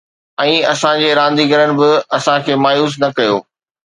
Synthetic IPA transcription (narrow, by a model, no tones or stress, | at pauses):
ɛ̃ːɐsãd͡ʑeːɾãːnd̪iɡɐɾənɪ̆bɪɐsãkʰeːmaːjuːs̬nɐkɐjoː